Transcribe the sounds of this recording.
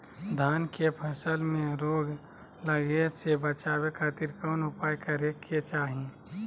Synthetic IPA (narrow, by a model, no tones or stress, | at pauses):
d̪ʱaːnkepʰəsəlmẽɾoːɡ | ləɡesebət͡ʃaːwekʰaːt̪iɾkɔːnʊpaːjkɐɾeket͡ʃaːɦẽ